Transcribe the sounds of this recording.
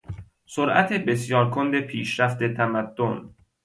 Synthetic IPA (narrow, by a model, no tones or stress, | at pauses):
soɾʔæ̰t̪ʰebe̞sjɒːɾkʰond̪epʰiːʃɾæft̪e̞t̪ʰæmæd̪̥ːon